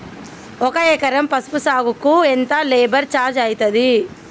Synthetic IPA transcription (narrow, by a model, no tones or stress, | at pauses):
ɔkɐeːkɐɾɐmpɐsu̥pusaːɡukuent̪ɐleːbɐɾt͡ʃaːɾd͡ʒɐjit̪ɐd̪i